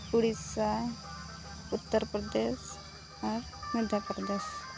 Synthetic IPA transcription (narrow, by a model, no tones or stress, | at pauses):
kuɽia | ut̪ːəɾpɾəd̪es | əɾ | məd̪ʱjapɾəd̪es